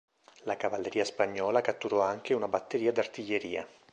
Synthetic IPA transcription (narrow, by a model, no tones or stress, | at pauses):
lakavalːeɾiːaspaɲːɔːlakat̪ːuɾɔaŋk̟eunabat̪ːeɾiːad̪art̪iʎːeɾiːa̰